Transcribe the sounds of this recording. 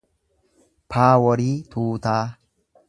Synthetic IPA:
pʰaːwɔɾit̪ʰuːt̪ʰaː

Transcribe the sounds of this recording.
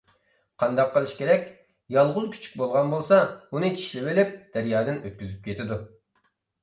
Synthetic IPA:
qʰɑnd̪ɑqːəlˠɨʃkʲʰeɾɛkʲ | jɑlˠʁʊzkʲʰy̥t͡ʃʰy̥k̚ʲbolˠʁɑnbolˠsɑunɨt͡ʃʰi̥ʃlɪbɪlɪp̚d̪̥æɾjɑːd̪ɪnøt̪̚kʲyzyp̚kʲʰet̪ʰɪd̪u

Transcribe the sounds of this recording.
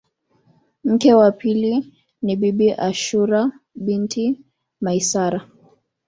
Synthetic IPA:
m̩kɛwapili | niɓiɓiʔaʃuɾa | ɓintʰi | maisaɾa

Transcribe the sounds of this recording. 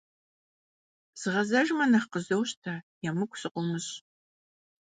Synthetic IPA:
z̥ɨʁɐzɐʒmɐnɐχqəzɐwɕtʰaːjɛmɨkʷʰʼsɨqʷʊmɨɕ

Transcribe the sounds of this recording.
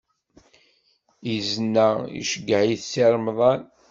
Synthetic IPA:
iznːaḭʃəɡːəʕiθsiɾˤmðˤɑn

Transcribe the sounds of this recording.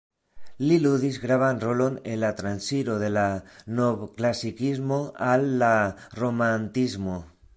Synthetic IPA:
liluðizɣɾaβ̞anrolonelat̪ɾansiɾoðelanoβklasikizmoalːaromant̪izmo

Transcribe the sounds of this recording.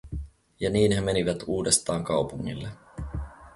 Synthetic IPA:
jɑniːnhe̞meniʋæt̪uːde̞st̪ɑːŋkɑwpuŋːḭlːe

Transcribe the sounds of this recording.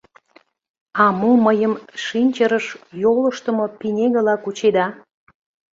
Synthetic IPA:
ɑmuməjəmʃinʲt͡ɕəɾəʃjoləʃt̪əmopinʲeɣəlɑkut͡ɕed̪ɑ

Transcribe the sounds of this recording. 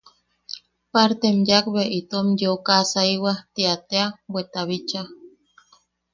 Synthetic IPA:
paɾt̪emjakbeʔit̪omjokasaiwat̪iat̪eabwet̪aβit͡ʃa

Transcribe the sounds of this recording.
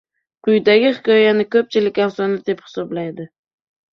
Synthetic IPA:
qʰʊjd̪aɡʲɪχɪkʲɒjanɪkʲʰɵp̚t͡ʃʰɪlɪkʲasɒnɪd̪ephɪ̥sɒblajd̪ɪ

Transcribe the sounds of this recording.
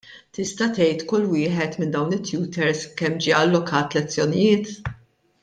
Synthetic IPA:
t̪ɪst̪ɐt̪ɛjt̪kʊlːwɪːħɛt̪mɪnd̪ɐwnɪt̪ːjuːt̪ɛɾskɛmːd͡ʒiːɐlːɔkʰɐːt̪lɛt͡sːjɔnɪjɪːt̪

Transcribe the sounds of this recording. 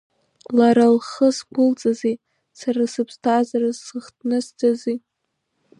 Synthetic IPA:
laɾalχəsɡʷʊlt͡sʼazi | saɾasɨpʰstʰazarazsɨχtʰnɨsd͡zazi

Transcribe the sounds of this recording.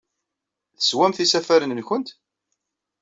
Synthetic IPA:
θə̥swæmθisæfæɾənənçənt̪

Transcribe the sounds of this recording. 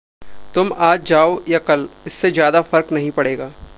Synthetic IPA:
t̪ʊmaːd͡ʒd͡ʒaːojakɐlɪsːezjaːd̪afɐɾknɐɦĩpɐɽeːɡaː

